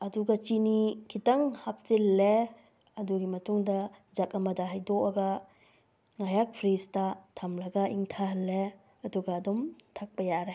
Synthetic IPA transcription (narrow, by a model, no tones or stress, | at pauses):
ɐduɡɐt͡ʃinikʰitɐŋhap̚silːe | ɐduɡimɐtuŋdɐd͡ʒakɐmɐdaɦajdɔɐɡɐ | ŋajak̚pʰɾistɐtʰɐmlɐɡɐʔiŋtʰaɦɐlːe | ɐduɡɐːdumtʰak̚pɐjaɾe